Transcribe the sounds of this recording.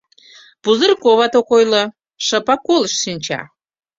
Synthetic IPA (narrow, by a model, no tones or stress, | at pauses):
puzərkoβɑt̪okojlə̆ | ʃə̆pɑkːolˠəʃsinʲt͡ɕɑ̰